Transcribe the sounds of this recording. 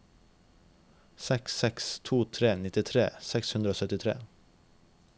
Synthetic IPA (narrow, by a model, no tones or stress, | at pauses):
sɛksɛkst̪ʰuːt̪ʰɾeːnɪt̪ɪt̪ʰɾḛːsɛkshʉnd̪ɾəoːsœt̪ɪt̪ʰɾḛː